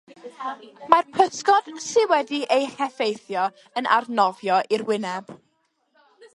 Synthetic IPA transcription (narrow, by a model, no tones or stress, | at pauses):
marpʰəskɔd̥sɪwɛdiʔejhɛfejθjɔ | ənʔa̰rnɔvjɔʔirwɪnɛb̥